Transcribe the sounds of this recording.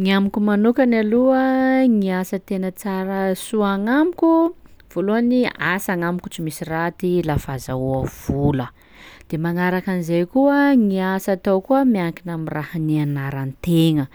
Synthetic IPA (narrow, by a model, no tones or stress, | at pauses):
ŋiamikumanukanaluəŋiasət̪enət͡saɾəsuaŋamikʲu | v̥oluaniasaŋamiku̥t͡simisirat̪ilafazauəv̥ulə | d̪̥emaŋaɾakanizejkuəŋiasat̪awkuəmiaŋkinamirahanianaɾanit̪eŋə